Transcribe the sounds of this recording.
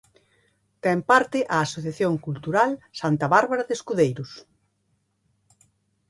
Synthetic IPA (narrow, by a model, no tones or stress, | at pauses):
t̪ɛmpaɾt̪ɪʔaːsoθjaθjoŋkult̪uɾalsant̪ɐβaɾβaɾaðeskuðejɾʊs